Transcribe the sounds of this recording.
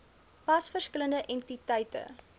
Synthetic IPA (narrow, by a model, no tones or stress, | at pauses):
pɐsfərskələndəʔɛntitɛjtə̰